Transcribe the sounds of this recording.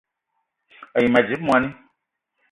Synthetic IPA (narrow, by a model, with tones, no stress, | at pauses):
ə˨ji˨ma˨d͡ʒi˨˦b̚mwa˧ni˦